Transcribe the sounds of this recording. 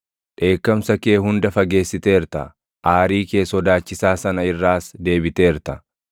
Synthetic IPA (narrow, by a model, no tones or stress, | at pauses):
ᶑe̞ːkːɐmsɐke̞ːɦʊnd̪ɐfɐɡe̞ːsːɪt̪e̞ːɾt̪ɐ̰ | ʔaːɾiːke̞ːsɔd̪aːt͡ʃːɪsaːsɐnɐɪrːaːsd̪e̞ːbɪt̪eːɾt̪ɐ